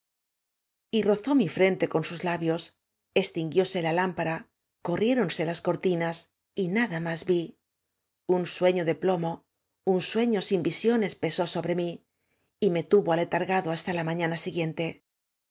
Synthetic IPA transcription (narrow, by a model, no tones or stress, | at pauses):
iro̞θo̞mifɾe̞nt̪e̞ko̞nsuzlaβjo̞s | e̞st̪iŋɡjo̞se̞lalampaɾa | ko̞rje̞ɾo̞nse̞lasko̞ɾt̪inas | inaðamazbi | unswe̞ɲo̞ðe̞plo̞mo̞ | unswe̞ɲo̞simbisjo̞ne̞spe̞so̞so̞βɾe̞mi | ime̞t̪uβoalet̪aɾɣaðo̞ast̪alamãɲanasiɣje̞nt̪e̞